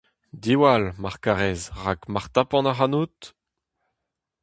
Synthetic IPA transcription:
d̪iwalmaʁkaʁɛzʁakmaʁt̪apɑ̃naʁanut̪

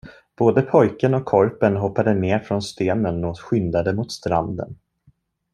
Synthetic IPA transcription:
b̥oːd̪əpʰɔjkənɔkʰːɔɾpənɦɔpːad̪əneːɾfɾɔnst̪eːnənːɔɧʏnd̪ad̪əmʊt̪st̪ɾa̰nd̪ə̰n

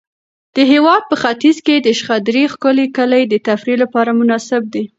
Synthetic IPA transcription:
d̪̥əɦewɑd̪̚pəxat̪izked̪əʃxad̪ɾixkʊlekəlajd̪ət̪afɾilapɑɾamʊnɑsɪb̚d̪i

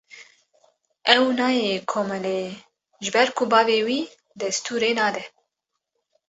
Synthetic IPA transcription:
ʔɛwnɑːjekʰoːmɛleː | ʒɨbɛɾkʰubɑːveːwiː | d̪ɛst̪ʰuːɾeːnɑːd̪ɛ

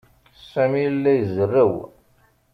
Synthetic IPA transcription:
sæmijlːæjəzərːəw

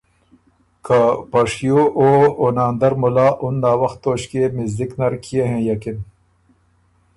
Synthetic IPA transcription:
kʰapɐʂjoʔoonaːnd̪ɐɾmulaːʔunːaːwɐxt̪ːoːɕkemizd̪iknɐɾkʰijeɦẽːjɐkin

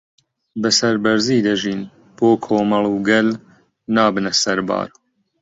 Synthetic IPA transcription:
bɐsɐɾbɐɾziːd̪ɐʒiːn | b̥oːkʰoːmɐlˠuɡɐl | naːbɨnɐsɐɾba̰ːɾ

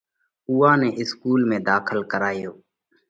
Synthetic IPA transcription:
uːãːnɛːʔɪskuːlmẽːd̪aːkʰəlkəɾaːjoː

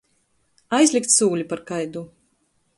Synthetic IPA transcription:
ajzlʲik̚t̪suːlʲipaɾkajd̪u

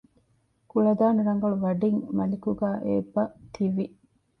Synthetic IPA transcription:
kuɭɐd̪aːnɐɾɐŋɡɐɭuʋɐɖiŋmɐlikuɡæːʔḛːbːɐt̪ʰiʋi

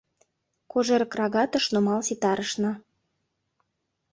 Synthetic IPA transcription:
koʒeɾkrɑɣɑt̪ə̆ʃnomɑlsit̪ɑɾəʃnɤ̆

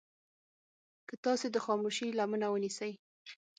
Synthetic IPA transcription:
kət̪ɑsed̪əxɑmuʃilamənawənisəj

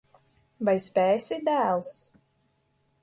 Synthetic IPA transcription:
bajsʲpʲɛːsʲid̪æːlˠs

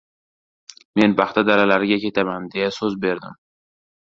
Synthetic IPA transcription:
me̞nbɑχt̪ʰad̪aɾalaɾɪɡʲakʲe̞t̪ʰamand̪e̞jasɵzbe̞ɾd̪ɪ̰m

